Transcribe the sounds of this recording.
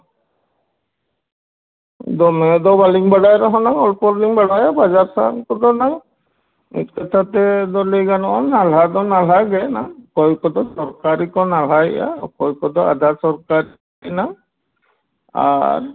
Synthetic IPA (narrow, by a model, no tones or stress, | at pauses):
d̪ɔmɛd̪ɔbaliŋbaɽajɾɔɦɔnaŋɔlpɔɾliŋbaɽajabad͡ʒaɾsankɔd̪ɔnaŋ | ḭt̚kɔt̪ʰat̪ɛd̪ɔliɡanɔɔnal̤ad̪ɔnal̤aɡɛnakɔjkɔd̪ɔsɔɾkaɾikɔnal̤aja̰kɔjkɔd̪ɔa̰d̪ʱasɔɾkaɾi | na | a̰ɾ